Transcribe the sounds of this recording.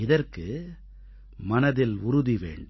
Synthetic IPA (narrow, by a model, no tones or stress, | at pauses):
ɪðɐrkɯ | mɐnɐðɪlʊɾʊðiʋḛːɳɖ